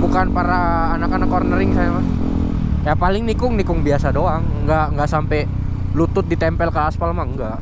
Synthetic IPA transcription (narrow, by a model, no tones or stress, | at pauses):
bukanpaɾaː | nakanakɔrnəɾɪŋsajama | japalɪŋnikʊŋnikʊŋbiasadoaŋɡaʔŋɡaʔsampɛ | lut̪ʊt̪̚dit̪ɛmpɛlkaaspalmaəŋɡaʔ